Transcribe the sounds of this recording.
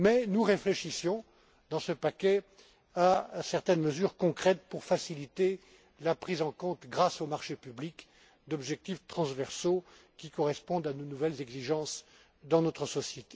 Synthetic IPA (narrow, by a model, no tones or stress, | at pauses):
mɛnuʁefleʃisjɔ̃ | d̪ɑ̃səpakʲɛ | asɛʁt̪ɛnməzyʁkɔ̃kχɛt̪puʁfasilit̪e | lapχizɑ̃kɔ̃t̪ɡʁasomaʁʃepyblik | d̪ɔbʒɛk̚t̪ift̪χɑ̃svɛʁsokʲikɔʁɛspɔ̃d̪anonuvɛlzɛɡziʒɑ̃s | d̪ɑ̃nɔt̪χəsɔsjet̪e̥